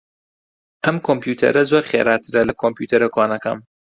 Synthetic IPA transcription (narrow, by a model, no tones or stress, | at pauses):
ʔɐmkʰompjuːt̪ʰɐ̰ɾɐzoːɾχḛɾaːt̪ʰɨɾɐlɐkʰompjuːt̪ʰɐɾɐkʰwaːnɐkɐ̰m